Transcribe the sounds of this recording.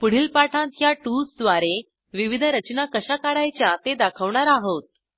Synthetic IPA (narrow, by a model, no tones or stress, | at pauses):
puɽ̤iːlpaʈʰãt̪jaʈusd̪ʋaɾe | ʋiʋid̪ʱɾət͡ɕnakəɕakaɽajt͡ɕjat̪ed̪akʰəʋɳaɾaɦot̪̚